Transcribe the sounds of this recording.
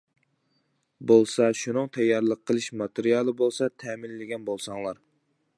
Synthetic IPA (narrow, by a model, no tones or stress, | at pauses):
bolˠsɑʃunɨŋt̪ʰɛjːɑɾlˠəqʰːəlˠɨʃmɑt̪eɾijɑlˠɨbolˠsɑt̪ʰɛmɪnlɪɡʲɛnbolˠsɑŋlˠɑɾ